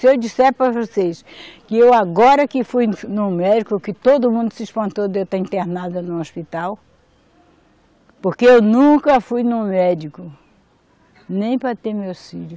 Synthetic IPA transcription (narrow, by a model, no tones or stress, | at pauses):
sɪewd͡ʒisɛɾpɾɐvoseskɪewaɡɔɾɐkɪfujnũmɛd͡ʒikʊkɪt̪od̪ʊmũnd̪ʊsɪiʃpɐ̃nt̪od̪ewt̪aĩnt̪eɾnad̪ɐnũospit̪aw | poɾkeewnũkɐfujnʊ̃mɛd͡ʒikʊ | nẽj̃pɾɐt̪eɾmewsfiʎʊ